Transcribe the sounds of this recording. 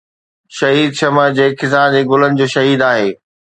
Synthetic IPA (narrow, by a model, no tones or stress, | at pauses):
ʃɐɦiːd̪ʃɐməd͡ʑeːɪkɪsaːdeːɡʊlənɪ̆d͡ʑoːʃɐɦiːd̪aːɦeː